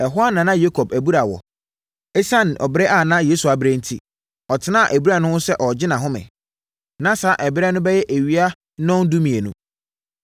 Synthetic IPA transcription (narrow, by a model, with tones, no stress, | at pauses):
ɛ˨ɦʊ˦a˦nːã˨nã˦je˦kʰɔ˨bæ˨bu˦ɾa˨wɔ̰˨ | e˦sa˦n˨ʔɔ̰˨bɪ˦ɾɛ˦ʔa˦˨nã˦jeː˦su˨a˨bɪ˦ɾe˦n̩˦tʰḭ˦ | ɔ˨tʰɪ˨˦nã˦˨ʔæ˨bu˦ɾa˨nʊ̃˦hʊ̃˦sɛ˦ʔɔ˨d͡ʑɪ˦nã˨ɦʊ̃˦mɪ̰̃˨ | nã˦sa˨˦ʔɛ˨bɪ˦ɾɛ˦nʊ̃˦bɛ˦jɛ˦ʔe˨ɥi˦a˦ | nɔ̃˦n˦du˦mĩ˨e˨nṵ̃˦